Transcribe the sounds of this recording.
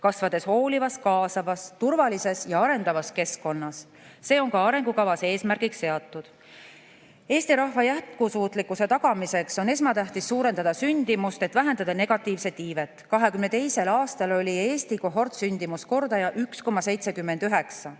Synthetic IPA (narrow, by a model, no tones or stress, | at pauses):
kɑsvɑd̪e̞sho̞ːlivɑskɑːsɑvɑst̪urvɑlise̞sjɑɑɾe̞nd̪̥ɑvɑske̞sko̞nːɑsː | e̞ːo̞ŋkɑɑɾe̞ŋɡ̥ukɑvɑsee̞ːsmærɡ̥ikse̞ɑt̪ːˑud̪̥ | e̞ːsʲt̪iɾɑhvɑjæt̪̚kusuːt̪ˑlikːˑuse̞t̪ɑɡ̥ɑmise̞kso̞ne̞smɑt̪æht̪isːuːɾe̞nd̪̥ɑd̪̥ɑsynʲd̪̥imust̪e̞t̪væɦe̞nd̪ɑd̪̥ɑne̞ɡ̥ɑt̪ːˑiːvse̞iːve̞t̪ːˑkɑɦe̞kymnet̪e̞jse̞lɑːst̪ɑlo̞lʲie̞ːst̪ikoɦo̞rt̪synʲd̪imusko̞rd̪ɑjɑʔyksko̞mːɑse̞jt̪se̞kymːe̞nd̪yɦe̞ksɑ